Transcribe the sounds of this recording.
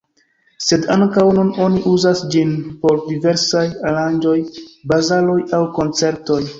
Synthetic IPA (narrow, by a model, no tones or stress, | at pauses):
se̞daŋkawnuno̞niʔuzasd͡ʒinpo̞ɾdive̞ɾsajaland͡ʒo̞jbazalo̞jawko̞nt͡se̞ɾto̞j